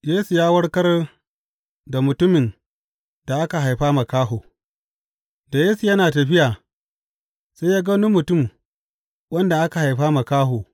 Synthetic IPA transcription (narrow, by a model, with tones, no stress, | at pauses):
jeː˦su˨jaː˦wɐ˦ɽkɐ˦r | da˨mʊ˨tʊ˦mɪ˨n | d̥a˨ʔa˦ka˨ɦa˨jɸaː˦ma˨kaː˦ɦoː˨ | da˨jeː˦su˨jɐ˦naː˨tɐ˨ɸɪ˦jaː˨ | sa˦jaː˦ɡɐ˦nʊ˦mːʊ˨tʊ˦m | wɐ˦nda˨ʔa˦ka˨ha˨jɸaː˦ma˨kaː˦ɦoː˨